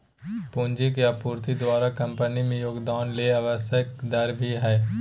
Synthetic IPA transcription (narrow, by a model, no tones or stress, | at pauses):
pũːnd͡ʒɪkjapuːɾt̪id̪waːɾakɐ̃mpənimẽjoːɡd̪aːnleaʋəsjəkd̪ɐɾbʱiɦɛː